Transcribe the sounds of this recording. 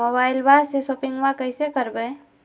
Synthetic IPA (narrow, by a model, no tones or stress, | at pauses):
oːbaːɪlbasesoːpɪ̃ŋɡʋãkəɪsekəɾbe